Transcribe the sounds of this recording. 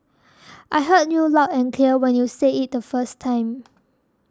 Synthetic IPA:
ʔaɪɦəd̚njulaɛ̃nkʰliəwɛ̃njuseit̚dəfəstʰːãɪ̃m

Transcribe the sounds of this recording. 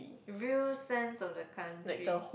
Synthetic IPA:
ɹilsɛ̃nsɔfdəkʰãntaɹiəh

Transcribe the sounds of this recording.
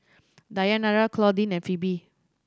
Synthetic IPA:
dajanaɹakʰlɔdĩnɛ̃nfibi

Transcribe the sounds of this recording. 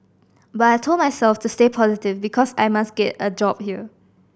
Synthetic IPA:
bataɪtʰolmaɪsɛlftustepʰɔzitɪvbikʰɔsa̰jmasɡɛtəd͡ʒɔb̚hiə

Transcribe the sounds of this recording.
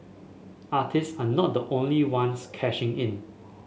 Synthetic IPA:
atʰɪstsanɔt̚dəʔõnliwãnskʰɛʃɪ̃ŋɪ̃n

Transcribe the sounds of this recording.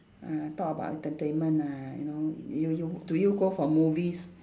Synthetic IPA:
at̪ɔkəba̰ʔɛ̰̃ntətẽnmə̃najṵnoujutujuɡofɔmuvis

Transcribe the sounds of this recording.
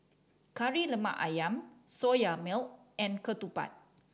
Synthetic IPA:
kaɹiləma̰ʔajãmsojamilt̚ɛ̃nkət̪upa̰t̚

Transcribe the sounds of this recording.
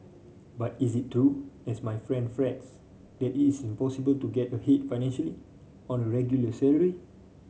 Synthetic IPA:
batis̬itːɹuɛsmajfɹɛ̃ndfɹɛts | d̥ɛtitisĩmpɔsibəltuɡɛtəhet̚faɪnɛ̃nʃəli | ɔ̃nəɹɛɡjuləsɛləɹi

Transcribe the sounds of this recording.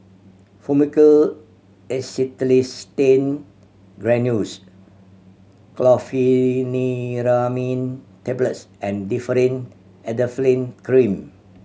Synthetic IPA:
fumikəl | ɛsitlistẽn | ɡɹɛ̃njus | klɔfiniɾamĩntɛbləts | ɛ̃ndifəɾə̃n | ɛdəflẽnkɹĩm

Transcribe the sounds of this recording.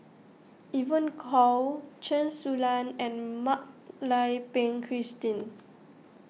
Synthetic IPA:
ʔivə̃nkʰɔt͡ʃʰɛ̃nsulãnɛ̃nmak̚lajpẽŋkʰɹistĩn

